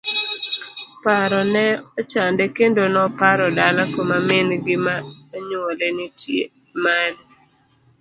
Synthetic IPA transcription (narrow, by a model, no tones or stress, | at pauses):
paɾɔnɛɔt͡ʃandɛkendonɔpaɾɔdalakomamɪnɡɪmaɲuolenitjḛ | mal